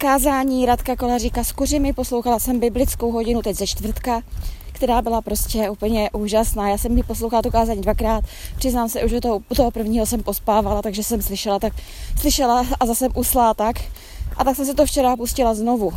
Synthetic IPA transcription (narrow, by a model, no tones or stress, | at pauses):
kaːzaːɲiːɾat̪kakolariːkaskurɪmɪpo̞slo̞wxalasɛmbɪblɪt͡skowɦo̞ɟɪnut̪ɛczɛt͡ʃt̪vr̩t̪kakt̪ɛɾaːbɪlapɾo̞scɛupl̩ɲɛʔuːʒasnaːjaːsɛmjɪposlowxalat̪ukaːzaːɲiːdvakɾaːt̪pr̥ɪznaːmsɛʔuʒot̪ut̪oɦopr̩vɲiːɦo̞sɛmpo̞spaːvalat̪aɡʒɛsɛmslɪʃɛlat̪akslɪʃɛlaazasɛmʔuslaːt̪ak | ʔat̪aksɛms̬ɪt̪oft͡ʃɛɾapuscɪlazno̞vu